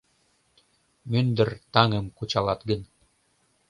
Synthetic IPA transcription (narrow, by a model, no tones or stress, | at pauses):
mønd̪ɘ̆rt̪ɑŋɤ̆mkut͡ɕɑlɑt̪ɡə̆n